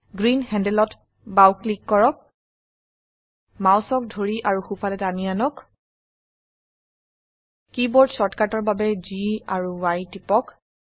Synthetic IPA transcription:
ɡɹinhɛndɛlɔt | bawklikːɔɹɔk̚ | mawsɔk̚dʱoɹiʔaɹuxupʰalɛtanianɔk | kibɔɹdsɔtkatɔɹbabɛziaɹuwajtipɔk

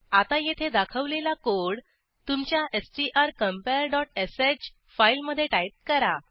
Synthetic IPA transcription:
at̪ajet̪ʰed̪akʰəʋlelakoɽ | t̪umt͡ɕjaʔesʈiʔaɾkəmpeəɾɖɔʈesed͡ʑ | failməd̪ʱːjeʈajt̪̚kəɾa

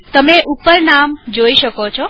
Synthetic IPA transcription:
t̪əmeʔupəɾnamd͡ʒoiʃəkot͡ʃʰo

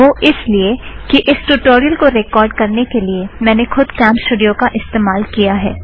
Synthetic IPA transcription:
oːʔɪsliekiʔɪsʈuʈoːɾijəlkoɾeːkɔːɾɖkɐɾnekeliemɛ̃ːnexʊd̪kɛ̃ːmpsʈuːɖijõkaʔɪst̪eːmaːlkijaɦɛ̰ː

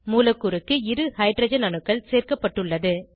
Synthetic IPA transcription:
muːlɐkːɯɾɯkːɯɪɾɯhɐɪʈɾɐd͡ʒɐnɐɳɯkːɐɭseːrkɐpːɐʈːɯɭːɐðɯ

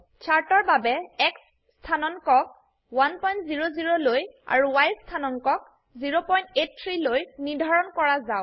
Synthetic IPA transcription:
t͡ʃʰaɹtɔɹbabɛɛksː | tʰanɔnkɔk̚ | wanpɔjntziɹoziɹoloja̰ɹuwajstʰanɔnkɔk̚ | ziɹopɔjntet̚tʰɹilojnidʱaɹɔnkɔɹazaʊ

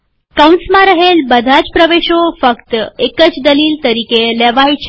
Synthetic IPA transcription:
kəwnsmãɾəɦelbəd̪ʱat͡ɕpɾəʋeɕofəkt̪əekət͡ɕd̪əliːlt̪əɾikelɛʋajt͡ɕʰ

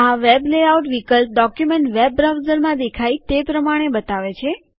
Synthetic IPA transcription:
aʋebleauʈʋikəlp̚ɖɔkjumẽɳʈʋeb̚ɾawzəɾmãd̪ekʰait̪epɾəmaɽ̃ebət̪aʋet͡ʃʰe

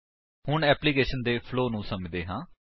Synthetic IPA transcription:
hʊɳɛːpliːkeːʃənd̪eːpʰloːnũːsəmd̪eːɦãː

